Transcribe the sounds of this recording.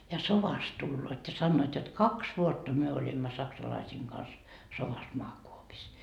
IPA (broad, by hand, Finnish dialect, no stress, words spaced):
jɑ soʋɑst tulːoːt jɑ sɑnːoːt jot kɑks ʋuotːɑ myø olʲimːɑ sɑksɑlɑisiːŋ ɡ̊ɑns soʋɑs moɑkuopis